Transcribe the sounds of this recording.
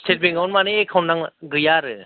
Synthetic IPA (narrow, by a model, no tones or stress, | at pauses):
sʰet̚beŋawnmaniekʰawnaŋɡɾɯjaɾɯ